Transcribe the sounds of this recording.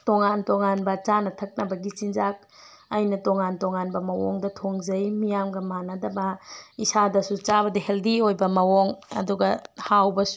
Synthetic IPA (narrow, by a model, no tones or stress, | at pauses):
toŋantoŋanbɐt͡ʃanɐtʰɐk̚nɐbɐɡit͡ʃinzak̚ | ajnɐtoŋantoŋanbɐmɐwɔ̰ŋdɐtʰoŋzɐjmijamɡɐmanɐdɐbɐisadɐsut͡ʃabɐdɐheldiojbɐmɐwɔŋɐ̰duɡɐhawbɐs